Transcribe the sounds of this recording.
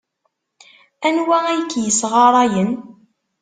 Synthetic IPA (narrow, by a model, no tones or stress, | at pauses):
ænwææjkːjəsʁɑɾˤɑjən